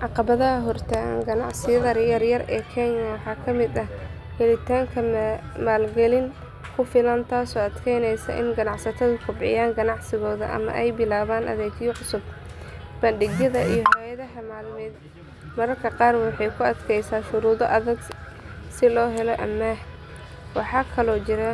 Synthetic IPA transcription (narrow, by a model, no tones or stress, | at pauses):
ʕɑqɑβɐðɐɦɐɦɔrt̪ʰɐ̰ŋɡɐnɑʕsɪjɐðɐrjɐrjɐrɛ̰ːkʰɛɲɐwɑħɑːkʰɐmɪd̪ɐh | hɛlɪt̪ʰaːŋkʰɐmaːlɡɛlɪn | kʰʊfɪlɐnt̪ʰaːsɔːɐd̪kʰɛjnɛjsɐ̰ʔɪ̰nɡɐnɑʕsɐt̪ʰɐðʊkʰʊbʕɪ̰jaːŋɡɐnɑʕsɪɣɔːðɐ̰ʔɐ̰mɐ̰ʔɛjbɪlaːβaːnʔɐ̰ðɛːkʰjʕʊsʊbb̥ɐnɖɪɣjɐðɐʔijɔɦajɐðɐɦɐmaːlmɛːd̪ | mɐɾɐrkʰɐqɑːrwɑħɑjkʰʊɐd̪kʰɛjsaːʃʊɾuːðɔʔɐðɐɡ | sɪlɔːɦɛlɔʔɐ̰mːɐh | wɑħɑːkʰɐlɔːt͡ʃɪɾɐ